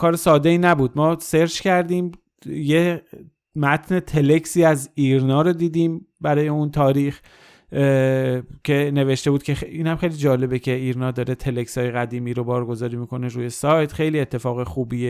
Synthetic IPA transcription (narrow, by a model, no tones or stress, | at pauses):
kʰɒːɾesɒːd̪eiːnæbuːd̪̚mɒːse̞ɾd͡ʒcæɾd̪iːm | je | mæt̪ʰne̞t̪ʰele̞ksiːæziːɾnɒːɾod̪iːd̪iːmbæɾɒːjeunt̪ʰɒːɾiːx | cʰe̞ne̞ve̞ʃt̪e̞buːd̪̥̚cʰʲe̞iːnhæmχe̞jliːd͡ʒɒːle̞becʰe̞iːɾnɒːd̪ɒːɾet̪ʰe̞lekshɒːjeɣæd̪iːmiːɾo̞bɒːɾɡo̞zɒːɾiːmikʰo̞neɾuːje̞sɒːjt̪xe̞jliːet̪ʰːe̞fɒːɣexuːbiːe